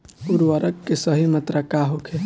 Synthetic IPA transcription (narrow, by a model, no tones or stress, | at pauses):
ʊɾʋəɾʔəkːesəɦimɐt̪ɾakaɦokʰe